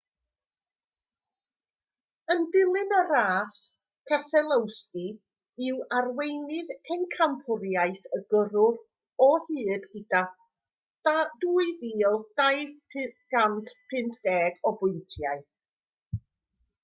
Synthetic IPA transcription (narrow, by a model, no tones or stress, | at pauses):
əndɪlˠɨnəɾaːs | pʰɛsɛlˠəwski | ɪwarwejnɪðʰɛnkʰampʰʊɾjajθəɡəɾʊr | ɔhɨːd̥ɡɪda | d̥aduːɨðiːlˠd̥ajpʰɡ̥antʰpʰɪmpʰdɛːɡɔbʊɨntʰjaɨ